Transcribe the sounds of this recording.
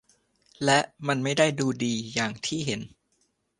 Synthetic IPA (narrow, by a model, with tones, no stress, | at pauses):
lɛ˦˥ʔma˧nma˥˩jda˥˩jduː˧diː˧jaː˨˩ŋt̪ʰiː˥˩ɦe˩˦n